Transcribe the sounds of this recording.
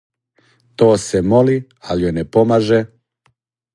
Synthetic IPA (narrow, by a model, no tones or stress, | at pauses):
t̪oːsemoli | aliojnepomaʒe